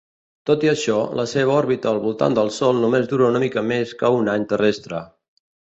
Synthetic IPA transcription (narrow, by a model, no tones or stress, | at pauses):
t̪ot̪iəʃɔləseβ̞əɔɾβit̪əːlˠβulˠt̪a̰nd̪əlˠsɔlˠnumezðuɾounəmikəmeskəunaɲt̪ərɛst̪ɾə